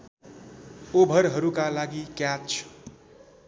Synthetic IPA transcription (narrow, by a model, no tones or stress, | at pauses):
obʱʌɾɦʌɾukalaɡikjatt͡ʃʰu̥